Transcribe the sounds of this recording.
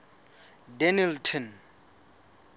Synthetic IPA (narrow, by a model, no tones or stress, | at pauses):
dɛniltʰɔn